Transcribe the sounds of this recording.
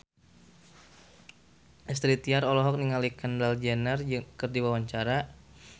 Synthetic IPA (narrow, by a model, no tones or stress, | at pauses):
ʔɛst̪ɾit̪iaɾɔlɔɦɔk̚niŋalikandald͡ʒɛnərd͡ʒkərdiwawaɲt͡ʃaɾa